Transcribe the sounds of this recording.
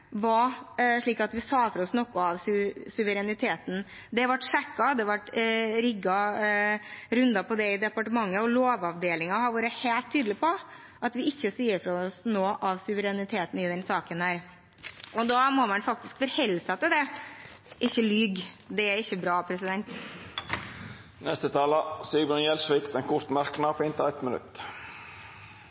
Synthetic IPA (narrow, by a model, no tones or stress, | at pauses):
ʋɑʂɭiːkɑt̪ʋɪsɑːfɔɾɔsnɔkːʊɑʋsʉsʉʋəɾɛnɪt̪ʰeːt̪n̩ | d̪ɛʋɑʈːʂɛkːɑd̪ɛʋɑʈɾʏɡɑ | ɾʉnd̪ɑpʰɔd̪ɛɪd̪ɛpɑʈəmɑŋːəɔloːʋɑʋd̪eːlɪŋɑhɑɾʋɑːɾəheːlt̪ʰːyːd̪lɪpʰɔ | ʔɑt̪ʋɪɪçːəsiːəɾfɾɔɔsnoːʔɑʋsʉʋəɾɛnɪt̪ʰeːt̪n̩ɪd̪ɛnsɑːkənhæːɾ | ʔɔd̪ɑːmɔmɑnfɑk̚t̪ɪskfɔɾhɛlːsɑt̪əd̪ɛ | ʔɪçːəlyːɡd̪ɛæɾɪçːəbɾɑːpʰɾɛsɪd̪ɛnt̪ | nɛst̪ət̪ʰɑːləsiːbənjɛlsʋikt̪ɛnkʰʊɾt̪mæɾknɑpʰɪnt̪əɛt̪mənʉ̰t̪